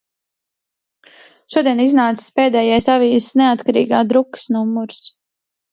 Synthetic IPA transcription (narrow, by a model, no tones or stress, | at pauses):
ʃuɔd̪iɛniznaːt̪si̥speːd̪ɛːjajsaviːsnɛat̪kaɾḭːɡaːd̪ɾukə̥snumːuɾs